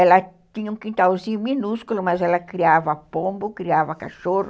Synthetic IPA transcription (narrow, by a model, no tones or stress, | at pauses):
ɛlɐ | t̪ĩɲɐũkĩnt̪awzĩɲʊminuskulʊmɐzɛlɐkɾiavɐpõmbʊkɾiavɐka̰ʃorʊ